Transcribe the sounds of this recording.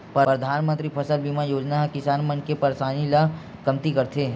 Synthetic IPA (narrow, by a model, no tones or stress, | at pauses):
pɾəd̪ʱaːnmə̃nt̪ɾipʰɐsəlbimajoːd͡ʒnaɦkɪsaːnmɐnkepɐɾsaːnila | kɐmt̪ikɐɾt̪ʰeː